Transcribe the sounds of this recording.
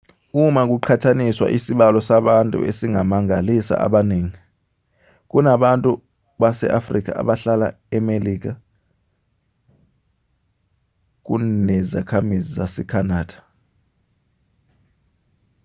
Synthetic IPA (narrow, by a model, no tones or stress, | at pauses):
umak̬uǃʰatʰaniswa̰ʔisiɓalɔsaɓantʼṵesiŋamaŋalisa̰ʔa̰ɓaneːŋi | k̬ʼunaɓantʼu | ɓasɛ̰ʔafrik̬a̰a̰ɓaɬala̰ | ɛmeliːk̬a | k̬unɛza̰kʰamizizasɛkʰanaːd̥ʱḁ